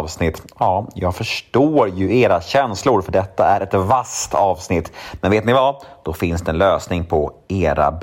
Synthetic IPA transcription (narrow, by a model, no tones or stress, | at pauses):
vsnɪt̪ːjɑːjɑːɡfœʂʈoːɾjɵeːɾaɕɛnslʊɾfœɖɛt̪ːaæɾɛt̪vast̪ɑːvsnɪt̪ːmɛnveːt̪nɪvad̪̥ɔfɪnsd̪ɛɛnløːsnɪŋpʰɔeːɾa̰b